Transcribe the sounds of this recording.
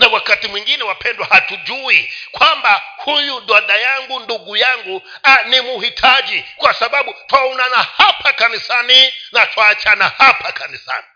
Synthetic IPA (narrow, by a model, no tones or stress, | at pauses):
nawakatimwiŋɡinɛwapʰɛndwahatud͡ʒuikwambahujuɗwaɗajaŋɡunduɡujaŋɡu | animuhitʰad͡ʒikwasaɓaɓutwaunanahapakanisaninatʰwaːt͡ʃanahapʰakanisa̰ni